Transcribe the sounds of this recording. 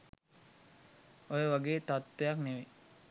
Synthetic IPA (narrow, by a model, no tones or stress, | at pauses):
ojəʋaɡeːt̪at̪ʋejakneʋe